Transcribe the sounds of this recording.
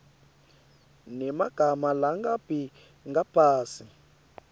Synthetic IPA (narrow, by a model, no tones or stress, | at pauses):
nɛmaɡ̥ʱamalaŋɡab̥ʱi | ŋɡapʰaːsi